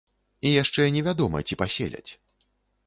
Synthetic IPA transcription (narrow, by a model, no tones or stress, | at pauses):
ijaʂt͡ʂɛnʲɛvʲad̪ɔmɐ̰t͡sʲipasʲḛlʲɐ̰t͡sʲ